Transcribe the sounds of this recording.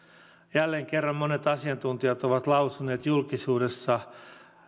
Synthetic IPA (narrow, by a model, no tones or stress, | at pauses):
jælːeːŋkerːɑmmone̞t̪ɑsiɑnt̪unt̪iɑt̪oʋɑt̪lɑusune̞ːt̪julkisuːde̞sːɑ